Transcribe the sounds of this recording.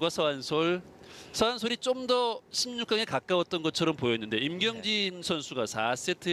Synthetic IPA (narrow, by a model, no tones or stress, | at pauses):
ɡwasʰʌansʰoɭsʰʌansʰoɾit͡ɕ͈omdʌɕʰimɲuk͈aŋekak͈awʌt̚t͈ʌnɡʌt͡ɕʰʌɾʌmpojʌnːɯnde̞imɡjʌŋd͡ʑinsʰʌnsʰuɡasas͈etʰɯ